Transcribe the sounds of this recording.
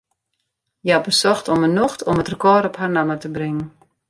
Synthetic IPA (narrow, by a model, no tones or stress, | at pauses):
jəabəsɔxtɔmənɔxtʰɔmətrəkɔɾɔpɦarnamətəbrɪŋən̩